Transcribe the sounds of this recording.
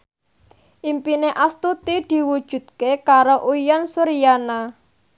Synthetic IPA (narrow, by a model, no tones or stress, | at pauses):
ʔimpineʔast̪ut̪id̪̥i̤wud̥ʒ̥ṳd̪̥̚kekaɾoʔuijɔnsuɾijana